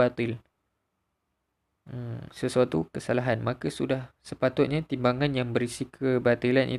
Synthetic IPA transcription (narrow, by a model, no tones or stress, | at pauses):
at̪ɪl | əmsəsuat̪ukəsalaɦanmãkasudahsəpat̪ʊt̪̚ɲãt̪imbaŋãnjaŋbəɾisikʰəbat̪ilanʔḭ